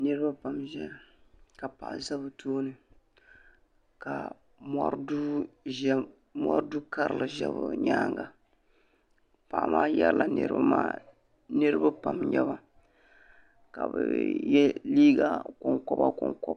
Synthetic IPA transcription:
nɨ˦ɾɨ˦ba˦pa˨mʒɛ˦˨ka˨pa˨ʔza˦bɨ˨tʰoː˦nɨ˨ | ka˨ | ma˦ɾdu˦ | mɔ˦ɾdu˦ka˦ɾɨ˨lɨ˨ʒɛ˦βʊ˨ɲaː˦ŋɡa˨ | pa˨ʔmaː˦jɛ˦llʔa˨nɨ̰˦ɾɨ̰˦a˦maː˦ | nɨ˦ɾɨ˦ba˦pa˨mɲɛ˦ba˨ | ka˨bɨ˨jɛ˦liː˦ɡa˦kɔ˨ŋkɔ˦ba̰˦kɔ˨ŋkɔ˦b

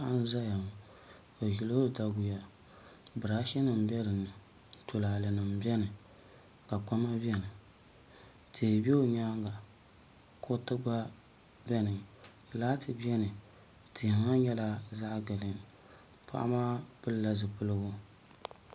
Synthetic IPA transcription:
a˦a˦n˦za˦ja˨m˨ | o˨ji˨lo˦da˦ɡʊ˨ja˦ | bɨ˨ɾa˦ʃi˦nɨ˨m˨bɛ˦ɾɨ˨nɨ˨ | to˨laː˨lɨ˨nɨ˨m˨bɛ˦nɨ˨ | ka˨ka˦ma˦bɛ˦nɨ˨ | tʰe˨bɛ˦o˦ɲaː˦ŋ˦ɡa˨ | kʰo˦tɨ˦ɡ͡ba˦ | bɛ˦nɨ˨ŋ | laː˦tɨ˨bɛ˦nɨ˨ | ti˨ŋa˦ɲɛ˦la˦za˦ʔɡɨ˨nɨ˨ŋ | pʰa̰˦ʔa̰˦maː˦pɨ˦lla˨zɨ˨pɨ˦lɨ˦ɡʊ˦

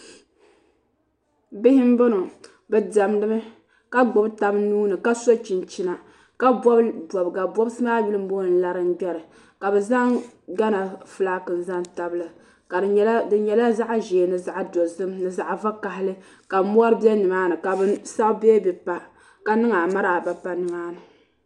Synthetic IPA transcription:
bɪ˦hɪ˦m˦bɨ˦no˨ | bɛ˨da˨mdɨ˦mɨ˦ | ka˦ɡ͡bo˨bta˦bnuː˦nɨ˨ka˦so˦t͡ʃi˨n˨t͡ʃi˦na˨ | ka˦bɔ˦bbʷɔ˨bɡa˨bwɔ˦bsɨ˦maː˦bi˦lɨ˦m̩˦bo˦n̩˦la˦ɾɨ˦n˦ɡ͡bɛ˦ɾɨ˨ | ka˨bɛ˨za˦ŋɡa˦na˨fɨ˦la˦kɨ˨n̩˨za˦nta˨bɨ˦lɨ˨ | ka˨dɨ˨ɛ˦ldɨ˨ɲɛ˨la˦za˦ʔʒeː˨nɨ˨za˨ʔdo˨zɨ˦mnɨ˨za˨ʔva˦ka˨ɦɪ˦lɨ˦ | ka˨˦mu˦a˦ɾɨ˦bjɛ˦nɨ˨maː˦nɨ˨ka˨bɨ˦sa˦ʔbeː˦bɛ˨pa˨ | ka˨nɨ˦ŋa˨ma˦ɾa˨ba˨pa˦nɨ˨maː˦nɨ˨

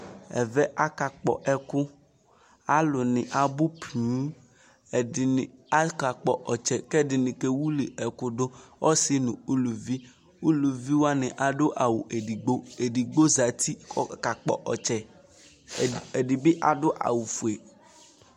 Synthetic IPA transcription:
ɛ̰˨vɛ˦ʔa˦ka˨k͡pɔ̰˨ʔɛ˦kʊ˦ | a˦lʊ˨nɪ̃˨ʔa˨bʊ˦pʰi˨˦˨ | a˦ka˨k͡pɔ˨ʔɔ˨t͡ʃɛ˨kɛ˦dɪ˨nɪ̃˨ke˦wu˦li˨ʔɛ˨kʊ˦dʊ˦ɔ˦sɪ˦nũ˨u˦lu˨vi˦ | u˦lu˨vi˦wa˦nɪ̃˨ʔa˨ɖʊ˦ʔa˨wu˨ɡ͡bo˦e˨di˨ɡ͡bo˦za˨t̪i˦˨ka˨k͡pɔ̰˨ʔɔ˨t͡ʃɛ˨ | e˨dɪ˨bɪ˦ʔa˨dʊ˦ʔa̰˨wu˨fu˨e˨

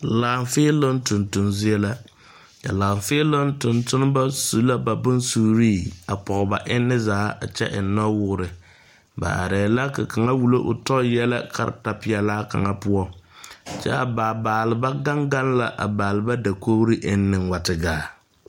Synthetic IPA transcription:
la˨ɱfe˦lo˦n˦tʊ˨ntʊ˨nzi˦ɛ˦la˦ | ka̰˨laː˨ɱfe˦lo˦ntʊ˨ntʊ˦n˦ba˦su˨la˦ba˨bʊ˦nsuː˦ɾiː˦˨a˨pɔ˨ɣʊ˨ba˨ʔɪ˦nːɪ˦zaː˨˦a˨t͡ʃɛ̰˦ʔɪ˨n˦nːɔ˦wʊ˦ɣʊ˦ɾɪ˨ | ba̰˨a̰˨ɾɛː˨la˦ka˨ka˨ŋa˦wu˨lo˦ʔʊ̰˨tɔ˦jɛ˦la̰˦kʰa̰˨ɾ̰ta˨pɪ˦ɛ˨laː˦ka̰˨ŋa˦pʊ˦ɔ˦t͡ʃɛ˦a˨baː˨baː˨lɨ˨ba˦ɡa˦ŋɡa˦nla˨ʔa̰˨baː˨lɨ˨ba˦da˨ko˦bɾɨ˦ʔɪ˦nː˦ɪ˨ŋwa˨tɨ˨ɡaː˦

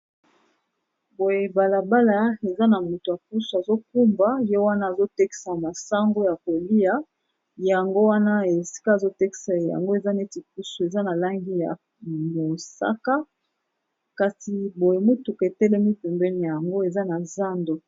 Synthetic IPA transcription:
bo˨je˨ba˨la˨ba˦la˨e˨za˦na˨mo˨to˨a˨ku˦su˨a˨zo˦ku˦mba˦je˦wa˦na˦a˨zo˦tɛ˦ki̥˦sa˨ma˨sa˦ŋɡo˦ja˨ko˨li˦a˦ | ja˨ŋɡo˦wa˦na˦e˨si̥˦ka˦˨zo˦tɛ˦ki̥˦sa˨ja̰˨ŋɡo˦e˨za˦ne˦ti˨k̚u˦su˨e˨za˦na˨la˦ŋɡi˦ja̰˨ | mo˨sa̰˦ka˦ | ka˨si˨bo˨je˨mo˦tu˨ke˨tɛ˦lɛ˦mi˦pɛ˨mbɛ˦ni˨ja˨ja˨ŋɡo˦e˨za˦na˨za˦ndo˨

